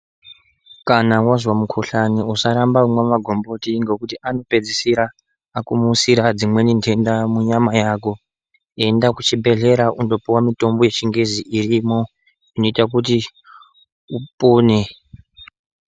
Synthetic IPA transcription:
kanawazwamukʰoɬaniusaɾambaumwamaɡʱo̞mbo̞tiŋɡe̞kutiʔano̞pe̞d͡zisiɾaː | kumusiɾad͡zimwe̞nindendamuɲamajako̞ | e̞ndakut͡ʃibʱe̞ɮe̞ɾaundo̞piwamito̞mbo̞je̞t͡ʃiŋɡeziʔirimo | ino̞itakuti | upoːne

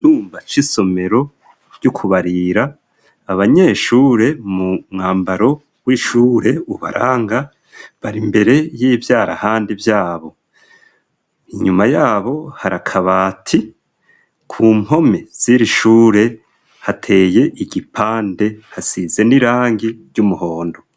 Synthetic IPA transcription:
tuːmbat͡ʃiso̞me̞ɾo̞ | ɾjukʰuβaɾiɾaː | βaɲe̞ːʃuːɾe̞mumŋaːmbaɾo̞ | wiʃuːɾe̞uβa̰ɾʔaːŋɡa | βaɾimbe̞ɾe̞jiːvjaːɾa̰haːndivjaːβo̞ | iɲumajaːβo̞haɾakʰaβaːtʰi | kʰuːm̥ho̞me̞z̥iɾiʃuːɾe̞ | hatʰe̞ːje̞ʔiɡipʰaːnde̞hasize̞niɾaːŋɡiɾɟumuho̞ːndo̞

